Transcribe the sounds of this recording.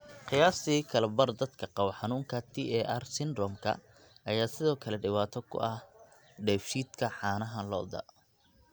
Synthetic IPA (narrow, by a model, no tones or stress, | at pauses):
qɪjaːst̪iːkʰɐlɛbɐrd̪ɐd̪kʰɐqɑwɐħɑnuːŋkʰɐt̪ʰiɛʔɐrsɪnɾɔmkʰɐ̰ | ʔɐjaːsɪðɔːkʰɐlɛɖɪwaːt̪ʰɔkʰʊ̰ʔɐh | ɖɛːfʃiːd̪kʰɐħɑːnɐɦɐlɔ̰ːd̪ɐ̰